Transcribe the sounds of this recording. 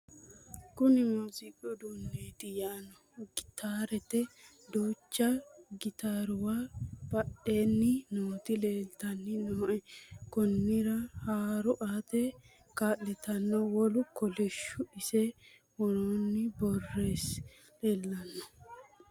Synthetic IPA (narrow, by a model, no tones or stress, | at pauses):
kʊnɪmuːzɪkʼːɔd̪ʊnːeːt̪ɪjanɔ | ɡɪt̪aːɾɛt̪ɛ | d̪oːt͡ʃːɐɡɪt̪aːɾʊwaːpɐʔeːnːɪnoːt̪ɪleːlt̪ɐnːɪnoːkɔnːɪɾɐhaːɾɔʔaːt̪ɛ | kaːʔːɛt̪ɐnːɔwɔlʊkɔlɛʃːʊɪsɛ | wɔnonːɪbɔrːe̞ːs | leːlːɐnːɔ